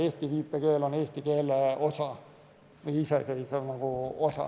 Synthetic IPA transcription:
eht̪iʋiːpːekeːloneht̪ikeːlːæosɑ | niisæseisenoŋkuosɑ̰

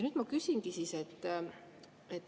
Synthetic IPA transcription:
nyːd̪̥mɑkysiŋɡisiset̪ːˑ | et̪ːˑ

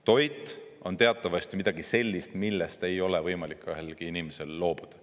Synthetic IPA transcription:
t̪o̞jt̪ːˑo̞nt̪e̞ɑt̪ːˑɑvɑst̪imid̪̥ɑɡ̥ise̞lʲːist̪milːest̪e̞jo̞levɤjmɑlikːˑøɦelɡ̥iinimese̞lːo̞ːb̥ud̪̥ɑ

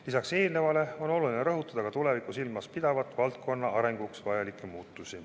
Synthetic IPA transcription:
lisɑkse̞ːlne̞vɑle̞o̞no̞lulineɾɤɦut̪ːˑɑd̪̥ɑkɑt̪ule̞vikːˑusilmɑspid̪̥ɑvɑt̪ːˑvɑlt̪̚kʰo̞nːɑʔɑɾe̞ŋɡ̥uksvɑjɑlikːˑemuːt̪ːˑusi

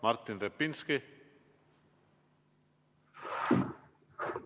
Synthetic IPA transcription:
maɾt̪inrepinski

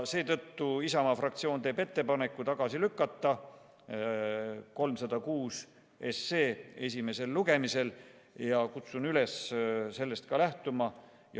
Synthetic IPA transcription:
se̞ːt̪ɤ̞t̪ːuisɑmɑfrɑk̚t̪sio̞ːnt̪e̞ːbe̞t̪ːe̞pɑnekːˑut̪ɑɡ̥ɑsilykːˑɑt̪ˑːɑ | ko̞lmsɑd̪̥ɑkuːs | e̞se̞ːe̞s̬ʲime̞se̞lːuɡ̥e̞mise̞l | jɑkut̪sunyle̞sse̞lːe̞st̪kɑlæht̪umɑ | j

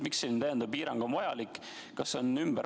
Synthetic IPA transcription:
miksint̪æjend̪ɑb̚piːɾɑŋɡ̥omvɑjɑlikːˑ | kɑsːonymbəɾ

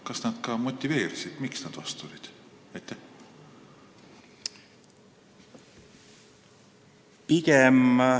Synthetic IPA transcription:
kɑsnɑd̪̥kɑmo̞t̪ʲːˑive̞ːɾisid̪̥miksnɑd̪̥vɑst̪t̪ulʲid̪̥ | ɑjt̪ːˑæh | pikem

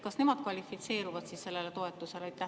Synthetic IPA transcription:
kɑsne̞mɑd̪̥kvɑlʲifit̪se̞ːɾuvɑd̪̥sisse̞lːe̞let̪o̞e̞t̪ːˑuse̞lt̪ːæ

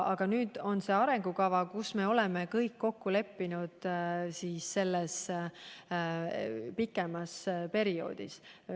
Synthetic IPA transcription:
ɑɡ̥ɑnyːd̪̥o̞nse̞ːɑɾe̞ŋɡ̥ukɑvɑkusme̞o̞leme̞kɤjkːo̞kːule̞pːinud̪̥siːsːe̞lːes | pikːˑe̞mɑspe̞ɾio̞̰ːd̪̥is

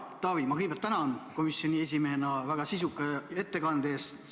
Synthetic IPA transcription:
t̪ɑːvimɑkɯjb̥elt̪ːænɑnko̞misjonʲie̞s̬ʲimeɦe̞nɑvæɡ̥ɑsis̬ukːˑee̞t̪ːe̞kɑnd̪̥e̞ːst̪

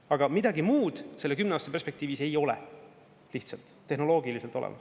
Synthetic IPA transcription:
ɑɡɑmid̪ɑɡimuːd̪̥selːe̞kymneɑːst̪ɑpe̞rspe̞k̚t̪iːvise̞jo̞le̞̰ | liht̪sɑlt̪ːe̞ɦno̞lo̞ːɡilise̞lt̪olḛmɑ̰s

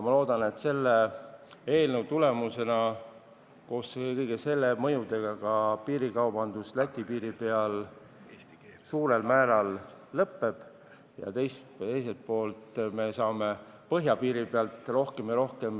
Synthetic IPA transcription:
mɑlo̞ːd̪ɑne̞t̪se̞lːe | eːlnəwt̪ule̞muse̞nɑ | ko̞ːskɤjɡ̥ese̞lːemɤ̞jud̪e̞ɡ̥ɑkɑpiːɾikɑwbɑnd̪uslæt̪ʲːipiːɾipe̞ɑl | suːɾe̞lmæːɾɑlːɤpːe̞b̥ | jɑ̰t̪e̞js | t̪e̞jse̞lt̪̚po̞ːlt̪ˑme̞sɑːme̞pɤɦjɑpiːɾipeɑlt̪ˑro̞hke̞mjɑɾo̞hke̞m

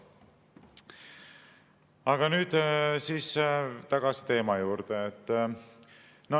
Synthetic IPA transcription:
ɑɡ̥ɑnyːd̪̥siːst̪ɑɡ̥ɑsi̥t̪e̞ːmɑjuːɾd̪̥eet̪ː | nɑ

